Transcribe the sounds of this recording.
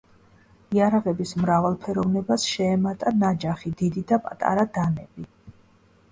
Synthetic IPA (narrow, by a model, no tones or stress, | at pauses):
iaɾaʁɛbismɾavalˠpʰɛɾɔvnɛbasʃɛːmat̪ʼanad͡ʒaχid̪id̪id̪apʼa̰t̪ʼa̰ɾad̪anɛbi